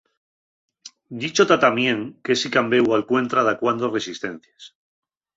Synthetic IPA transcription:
d̪it͡ʃot̪at̪amje̞ŋkesikambe̞walkwe̞nt̪ɾaðakwand̪ore̞sist̪ẽ̞n̟θjas

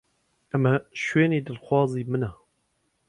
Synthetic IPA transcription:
ɛmɛʃweːneːd̪ɨlxʷwɑːziːmɨnɛ

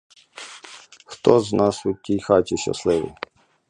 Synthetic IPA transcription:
xt̪ɔznɑsʊtʲijxɑtʲiʃɐ̰slˠɪʋḭj

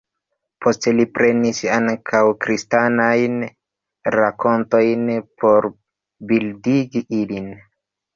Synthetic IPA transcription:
pʰo̞ste̞lipɾe̞nisaŋkʰawkɾistanajn | ɾako̞nto̞jnpʰo̞ɾ | bildiɡiʔilin

